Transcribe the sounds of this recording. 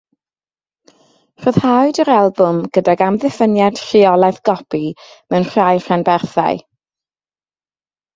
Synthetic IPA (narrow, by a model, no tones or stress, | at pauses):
r̥oːð̥haɨdəɾalˠbʊmɡ̥ədaɡamðɛfənjad̥r̥ɪɔlˠaθɡ̥ɔpimɛwnr̥ajr̥anbɛrθa̰ɨ